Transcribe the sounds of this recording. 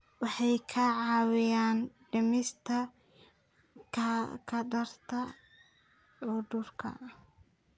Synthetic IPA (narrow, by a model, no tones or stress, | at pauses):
wɑħɑjkʰɐʕɑːwɪjaːnɖɐmɪst̪ʰɐ | kʰkʰɐɖɐrt̪ʰɐ | ʕʊdʊrkʰɐ̰